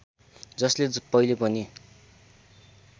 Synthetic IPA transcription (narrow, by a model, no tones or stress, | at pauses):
d͡zʌslepʌilepʌni